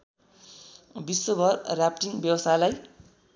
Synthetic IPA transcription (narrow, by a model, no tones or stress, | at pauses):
bisːobʱʌrrapʈiŋbjʌwʌst̪ajlaj